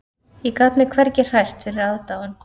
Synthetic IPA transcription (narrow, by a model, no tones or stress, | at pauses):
ikat̪nmɛkʰvɛɾcɪ̥r̥ajst̪fɪɾɪɾaðt̪aːwan